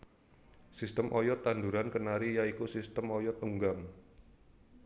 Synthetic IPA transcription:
sist̪əmʔɔjɔt̪ːand̪uɾankənaɾijaikusist̪əmɔjɔt̪̚uŋɡam

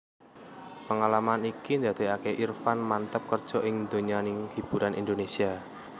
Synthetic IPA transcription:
pəŋalamanikind̪ad̪̥e̤akeʔirfanmant̪əp̚kərd̥ʒ̥ɔʔɪŋnd̪oɲanɪŋhib̥uɾanʔḭnd̪onesia

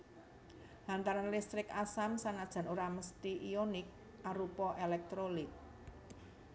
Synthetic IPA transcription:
lant̪aɾanlist̪ɾɪkasamsaŋad̥ʒ̥a̤nuɾaməst̪iʔionɪk̚ | ʔaɾupɔʔelɛk̚t̪ɾolɪk̚

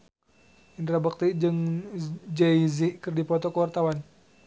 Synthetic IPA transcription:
ʔint̪ɾabak̚t̪id͡ʒɨŋ | d͡ʒɛiziʔkɨrdipɔt̪ɔkəwart̪awan

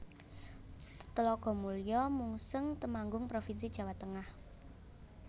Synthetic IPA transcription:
t̪əlɔɡ̥ɔ̤muljɔmuŋsəŋt̪əmaŋɡʊŋpɾofinsid̥ʒ̥ä̤wat̪əŋah

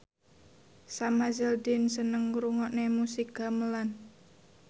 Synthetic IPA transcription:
samazɛld̪insənəŋɾuŋɔʔnemusik̚ɡaməlan

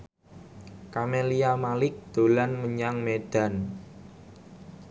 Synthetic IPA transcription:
kameliamalɪk̚d̪̥o̤lanməɲaŋmed̪̥a̤n

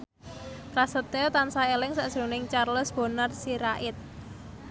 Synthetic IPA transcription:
kɾasət̪et̪ansaelɪŋsaʔʒ̥ɾonɪŋt͡ʃarləsb̥o̤narsiɾaʔɪt̪̚

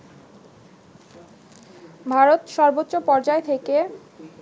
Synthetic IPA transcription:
bʱaɾot̪ʃɔɾbotːɕopɔɾd͡ʑaet̪ʰeke

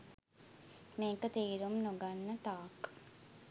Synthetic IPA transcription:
meːkət̪iːɾumnoɡanːət̪aːk

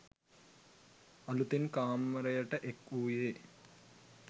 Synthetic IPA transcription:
ɐlut̪inkaːmːɐɾɐjɐʈɐʔekuːjeː

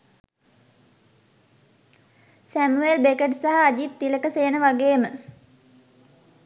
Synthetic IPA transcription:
sæmuelbekeʈsaɦaːd͡ʒit̪ːiləkəseːnəʋaɡeːmə

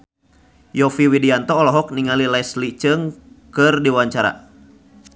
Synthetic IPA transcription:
jɔfiwidiant̪ɔːlɔɦɔk̚niŋalilɛslit͡ʃɨŋ | kɨrdiwaɲt͡ʃaɾa̰

